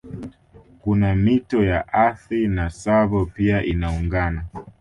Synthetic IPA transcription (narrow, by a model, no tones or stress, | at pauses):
kunamitɔjaʔaθɾinasaβɔpiaʔinauŋɡana